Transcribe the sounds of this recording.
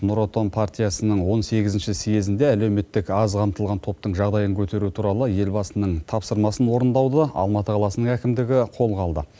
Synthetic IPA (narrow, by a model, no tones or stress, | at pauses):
nuɾot̪onpʰart̪ʲijɑsənəɴwo̞nse̞ɡʲɪzɪnʃɪsije̞zɪnd̪e̞ælewme̞t̪ːɪkɑzqʰɑmt̪əlˠʁɑnt̪ʰo̞p̚t̪əɴʒɑʁd̪ɑjəŋkʲʰɵt̪e̞ɾut̪ʰuɾɑlˠəje̞lbɑsənəɴt̪ʰɑpsəɾmɑsənwo̞ɾənd̪ɑwd̪əɑ̰lˠmɑt̪əqʰɑlˠɑsənəɴækʲɪmd̪ɪɡʲɪqʰo̞lˠʁɑlˠd̪ə